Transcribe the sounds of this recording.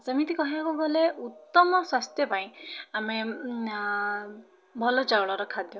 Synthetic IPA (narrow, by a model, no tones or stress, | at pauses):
samit̪ikɔɦiakuɡɔleut̪ːɔmɔswast̪jɔpaj̃ame | bʱɔlɔt͡ʃawɭɔɾɔkʰad̪jɔ